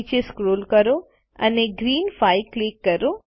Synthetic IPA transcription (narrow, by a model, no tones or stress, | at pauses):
t͡ʃeskɾoːlkɐɾu | ɐneɡɾiːnpʰɐjklikːɐɾu